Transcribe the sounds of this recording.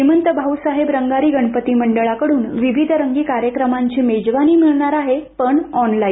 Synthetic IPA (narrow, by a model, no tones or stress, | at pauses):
imənt̪əbʱausaɦebɾəŋɡaɾiːɡəɳpət̪iːməɳɖəɭakəɽuːnʋiʋid̪ʱɾəŋɡiːkaɾjəkɾəmaɲt͡ɕiːmed͡ʑʋaniːmiɭɳaɾaɦepəɳɔnlaiː